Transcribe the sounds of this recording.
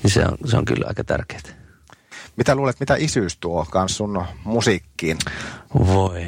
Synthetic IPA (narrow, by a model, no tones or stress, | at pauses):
nisḛo̰nseo̰ŋkylːɑ̰ˑikɑt̪ærke̥ːt̪ | mit̪æluːlet̪mit̪æʔisyˑst̪uokɑnssunmusikːiːnʋoi